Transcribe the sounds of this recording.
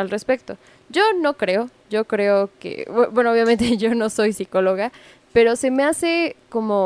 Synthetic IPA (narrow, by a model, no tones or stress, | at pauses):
alre̞spe̞k̚t̪o̞ | ɟ͡ʝo̞no̞kɾe̞o̞ | ʝo̞kɾe̞okḛbwe̞nooβjamẽnt̪e̞ʝo̞no̞so̞jsiko̞lo̞ɣa | pe̞ɾo̞se̞me̞ase̞ko̞mo̞